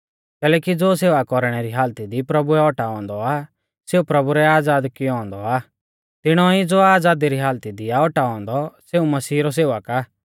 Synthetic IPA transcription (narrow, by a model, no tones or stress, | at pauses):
kɛːlɛːkid͡zoːseːʋakɔɾɽ̃ɛɾiɦaːlt̪id̪ipɾɐbuɛɔʈaɔ̃ːnd̪ɔa | seːupɾɐbuɾɛaːd͡zaːd̪kiɔ̃ːnd̪ɔaː | t̪ɪɽ̃ɔid͡zoːaːd͡zaːd̪iɾiɦaːlt̪id̪ɪaɔʈaɔ̃ːnd̪ɔseːumɐsiːɾɔs̬eːʋakaː